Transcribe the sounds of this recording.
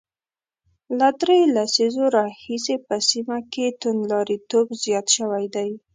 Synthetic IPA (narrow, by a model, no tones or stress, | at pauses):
lad̪ɾelasizoɾɑhisepəsimaket̪ʊnlɑɾit̪obzjɑt̪ʃəwajd̪aj